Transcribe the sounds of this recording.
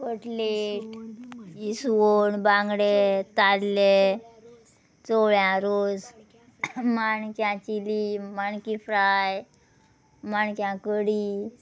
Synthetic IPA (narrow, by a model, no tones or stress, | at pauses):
kəʈleʈ | isoɳbãŋɡɽet̪alle | t͡soɭjãɾod͡z | maɳkjãt͡ɕilimaɳkifɾaj | maɳkjãkəɽi